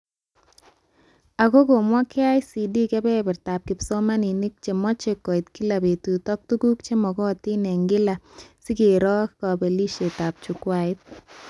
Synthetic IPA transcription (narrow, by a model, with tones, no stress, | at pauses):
a˨ɡo˦ɡo˨mwa˦kɪ˦a˦jsi˨di˦kɛ˦bɛ˦bɛ˨ɾta˨p̚kɪ˨pso˦ma˦ni˨ni˦k̚t͡ʃe˨mɔ˦t͡ʃe˨kːɔ˨i˨t̪ki˦la˨be˨t̪u˨t̪ɔ˦k̚t̪u˦ɡu˦kt͡ʃe˦mɔ˨ɡɔ˦˨t̪i˦ne˨ŋɡɪ˦la˨si˦ke˨ɾɔ˦kkɔ˨be˨li˦ʃe˨ta˨p̚t͡ʃu˨kwa˦ɪ˦t̪̚